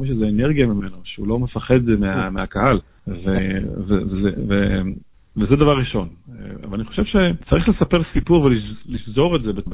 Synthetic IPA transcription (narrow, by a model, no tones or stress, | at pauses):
miʃ̬ezeːneʁɡijamime̞noʃeulo̞me̞faχe̞d̪meameakahal | vevevezeve | vezed̪avaʁːiʃo̞n̰a̰valaniχo̞ʃe̞vʃe̞t͡saʁiχle̞sapeʁlsipuʁveliliʃzo̞ʁetzebeb